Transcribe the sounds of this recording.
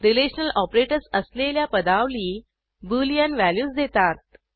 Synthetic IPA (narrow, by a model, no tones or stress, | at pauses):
ɾileɕənəlɔpɾeʈəɾsəsleljapəd̪aʋliː | bulijənʋæljuːsd̪et̪at̪̚